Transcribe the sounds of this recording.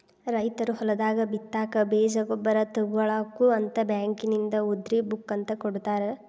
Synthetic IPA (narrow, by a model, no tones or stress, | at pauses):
ɾɐjt̪ɐɾuɦɔlɐd̪aːɡɐbit̪ːaːkɐbeːd͡ʒɐɡɔbːɐɾɐt̪ɐɡuɐɭaːkuɐnt̪ɐbjaːŋkinind̪ɐud̪ɾibukːɐnt̪ɐkoɽut̪aːɾe